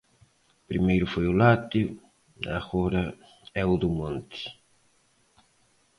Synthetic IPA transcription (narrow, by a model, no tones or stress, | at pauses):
pɾimejɾʊfojʊlat̪iʊ | a̰ɣoɾɐ | ɛud̪umõnt̪ɪ̥